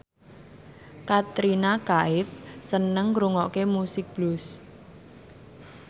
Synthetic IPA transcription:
kat̪ɾinakaɪfsənəŋɾuŋɔkemusɪk̚b̥lʊs

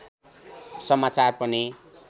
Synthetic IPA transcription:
sʌmat͡sarpʌni

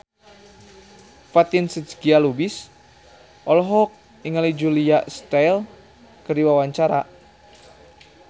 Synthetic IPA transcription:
fat̪insət͡ʃɡialubis | ʔɔlɔɦɔk̚ | iŋalid͡ʒuliaʔst̪ajl | kəɾiwawaɲt͡ʃaɾa

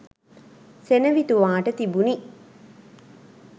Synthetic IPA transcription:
senəʋit̪uʋaːʈət̪ibuni

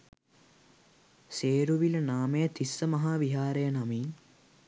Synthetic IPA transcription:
seːɾuʋilɐnaːmejɐt̪ʰisːəmɐɦaːʋiɦaːɾejɐnɐmiːn

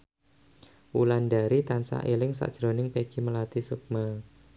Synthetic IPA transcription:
wulandaɾit̪ansa̰ʔelɪŋsa̰ʔd̥ʒ̥ɾo̤nɪŋpeɡ̥iməlat̪isuk̚ma

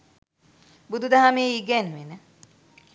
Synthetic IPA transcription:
bud̪ud̪aɦameiɡɛnʋenə

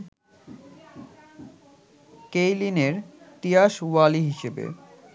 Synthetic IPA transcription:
kejlineɾt̪ijaʃwaliɦiʃebḛ

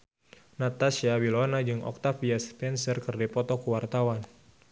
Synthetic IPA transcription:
nat̪asiawilɔnad͡ʒɨŋʔɔ̰k̚t̪afiaspɛnsərkɨrdipɔt̪ɔkuwart̪awan

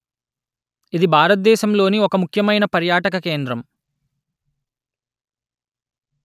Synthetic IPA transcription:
id̪ibʱaːɾɐt̪̚d̪ɛːʃɐmlo̞ːniɔkɐmukʰjɐmɐjnɐpɐɾjaːʈɐk̬ɐke̞ːnd̪ɾɐm

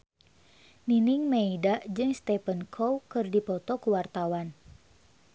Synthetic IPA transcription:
niniŋmeidaʔd͡ʒɨŋst̪ɛpənkʰowkɨrdipɔt̪ɔkuwart̪awan

